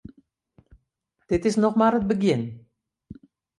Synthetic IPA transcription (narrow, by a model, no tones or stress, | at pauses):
t̪et̪esnoχmɑɾɤ̆t̪̚bɘ̆ɡʲen